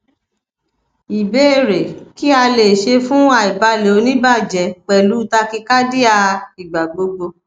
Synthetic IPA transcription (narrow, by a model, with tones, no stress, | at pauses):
i˨be˦e˦˨ɾe˨ki˦a˧le˨ʃe˧fũ˦a˨i˨ba˧˦le˨o˧nĩ˦ba˦˨d͡ʒɛ˨k͡pɛ˨lu˨˦ta˧ki˧ka˦di˦a˧i˨ɡ͡ba˨ɡ͡bo˧ɡ͡bo˧